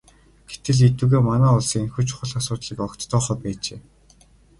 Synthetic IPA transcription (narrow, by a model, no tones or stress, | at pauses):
ɡ̥et̪ɘ̆ɮit̪uːɣeːmanæːʊɮsĭŋenxŭːt͡ɕʊχʊ̆ɮasʊːt̪ɮiːkɔkt̪ːɔːχœːpæːt͡ɕeː